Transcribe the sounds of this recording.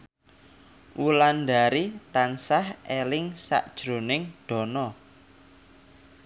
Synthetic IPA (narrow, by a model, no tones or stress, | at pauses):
wulanda̤ɾit̪ansahʔelɪŋsa̰ʔd̥ʒ̥ɾo̤nɪŋɖ̥ɔ̤nɔ